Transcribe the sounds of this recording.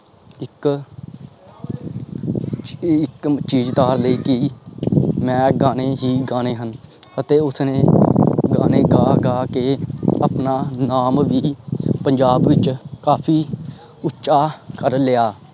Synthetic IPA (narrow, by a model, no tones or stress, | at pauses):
ɪk | ɪkt͡ʃiːd͡ʒt̪aːɾləiːkɪ | mɛ̃ːɡaːneːɦiːɡaːneːɦən | ət̪eːʊsneːɡaːneːɡaːɡaːkeːəpnaːnaːmʋiːpəɲd͡ʒaːbʋɪt͡ʃkaːpʰiː | ʊtːʃaːkəɾlɪjaː